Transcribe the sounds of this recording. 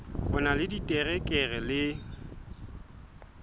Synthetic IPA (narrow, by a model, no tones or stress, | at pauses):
ʊnalɪditʼɛrɛkʼɛɣɛlɪ